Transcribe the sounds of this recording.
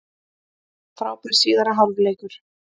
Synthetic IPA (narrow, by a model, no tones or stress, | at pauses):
θɾaːwpɪɾ̥siːðaɾaɦalvleːjkʏɾ̥